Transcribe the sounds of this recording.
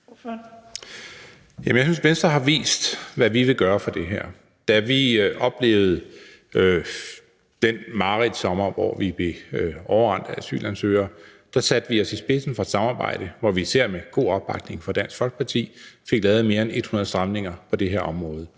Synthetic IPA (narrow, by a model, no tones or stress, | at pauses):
jæmnjaɪsynsmensd̥ʁɐɦɑ̈ʋḭːsd̥ʋæʋiʋe̝ɡ̥ɶːɐfɒ̽d̥e̝ɦæɐ̰ | d̥æʋiʔɒ̽b̥le̝̰ːʊð̞̩ˠ | ø | d̥en̰mɑ̈ʁid̥ˠsɒ̽mɐʋɒ̰ʋib̥e̝ɒʊɐʁɑn̰d̥ɐæsy̰ːlænsøːɐd̥æsæd̥əʋiɒ̽sisb̥e̝sn̩fɒ̽d̥sɑ̈mɑ̈ːb̥ɑ̈ɪ̰ɾ̥əʋɒʋiːseɐ̰meɡ̥o̝̰ːɒ̽b̥ɑ̈ɡ̥ne̝ŋfɒ̽d̥æn̰sɡ̥fɒ̽lɡ̥ə̥pʰɑ̈t͡sʰḭːfe̝ɡ̥lɛːð̞̩ˠme̝ːɐene̝d̥hunɐðˠsd̥ʁɑamne̝ŋɐpʰɒ̽d̥e̝ɦeɐɒ̽mʁɔ̽ːð̞̩ˠ